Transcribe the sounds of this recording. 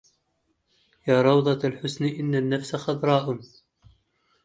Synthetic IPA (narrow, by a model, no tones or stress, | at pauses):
jaːɾˤɑwd̪ˤɑalħʊsnʔɪnːanːafsaxɑðˤɾˤɑːʔʊn